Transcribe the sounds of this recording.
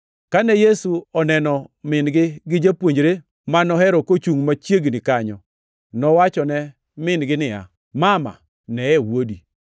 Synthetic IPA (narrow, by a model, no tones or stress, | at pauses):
kanɛjesuɔnɛnɔmɪnɡɪɡɪd͡ʒapwoɲd͡ʒɾe | manɔɦɛɾɔkot͡ʃuŋmat͡ʃjeɡnɪkaɲɔ | nɔwat͡ʃɔnɛ | mɪnɡɪnɪja̰ | mama̰ | nɛɛwodi